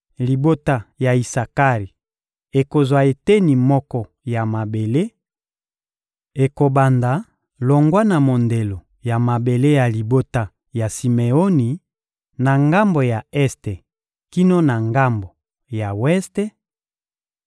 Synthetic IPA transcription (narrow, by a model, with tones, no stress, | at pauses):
li˨bo˦ta˨ja˨i˨sa˨ka˦ʁi˨ | e˨ko˨zwa˨e˨te˦ni˨mɔ˦kɔ˦ | ja˨ma˨be˨le˦ | e˨ko˨ba˨nda˨ | lo˨ŋɡwa˦na˨mo˨nde˨lo˨ | ja˨ma˨be˨le˦ja˨li˨bo˦ta˦ | ja˨si˨me˨o˦ni˨ | na˨ŋɡa˦mbo˨ja˨ɛ˦ste˨ | ki˦no˦na˨ŋɡa˦mbo˨ | ja˨wɛ˦ste˦